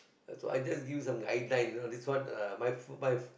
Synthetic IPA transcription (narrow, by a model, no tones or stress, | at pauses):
so̰a̰jd͡ʒasɡivjusãmɡaɪdlãj̃nodɛtswɔtmajfmaj